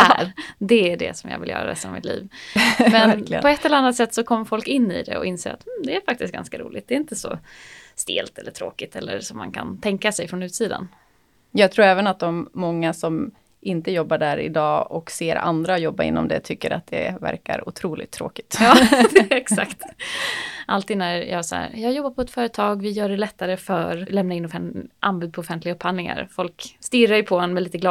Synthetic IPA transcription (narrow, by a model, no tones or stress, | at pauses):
ʔæɾd̪ɛæɖɛ̰sɔmjɑ̰ːvɪljœ̰ːɾa̰ɾɛ̰st̪aa̰vmɪt̪lḭːvmɛnlɪə̰pʰɔɛt̪ːɛləɾanːat̪sɛt̪ːsɔkʰɔmːəɾfɔlkɪnːɪ̰d̪ɛ̰ɔ̰ɪnseːɾa̰t̪m̩d̪ɛæɾfak̚t̪ɪst̪ɡa̰nskaɾṵːlɪɡt̚d̪ɛɾɪnt̪əsɔ | st̪eːlt̪ɛlːəʈʰɾoːkɪt̪ɛlːəɾsɔmːankʰant̪ʰɛŋkasɛjfɾɔnʉ̟ːt̪siːd̪a̰n | jɑːɡt̪ʰɾuːɾɛːvənat̪̚d̪ɔmːɔŋːasɔm | ʔɪnt̪əjɔbːaɖæɾɪ̰d̪ɑːɔkseːɾa̰nd̪ɾajɔbːaɾɪ̰nːɔ̰md̪ɛ̰t̪ʰʏkːəɾa̰t̪̚d̪ɛ̰væ̰ɾka̰ɾʊt̪ʰɾuːlɪ̰t̪ʰːɾo̰ːkɪ̥t̪jɑːɛksa̰kt̪ | ʔalt̪iːd̪næɾjɑːsa̰æ̰ɾjɑːɡjɔbːaɾpʰɔɛt̪fœːɾət̪ʰɑːɡvɪjœːɖɛlɛt̪ːaɾəfœɾlɛmnaɪnːɔfɛnʔanbʉ̟ːd̪̚pʰɔʊfɛnt̪lɪɡaɵpʰːhanɪŋa̰ɾfɔlkst̪ɪɾajʏpʰɔɛnmɛliːt̪əɡlɑː